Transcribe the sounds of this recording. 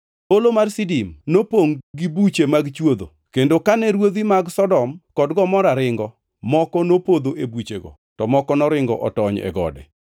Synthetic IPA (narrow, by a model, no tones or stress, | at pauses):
olomarsidimnopoŋɡibut͡ʃemaɡt͡ʃwod̪o̰ | kendokanɛɾwod̪imaɡsɔdɔmkɔdɡɔmɔɾaɾɪŋɡɔ | mɔkɔnopod̪oʔebut͡ʃeɡɔ̰ | tɔmɔkɔnɔɾɪŋɡɔ̰ʔɔtɔɲɛ̰ɡɔ̰dɛ̰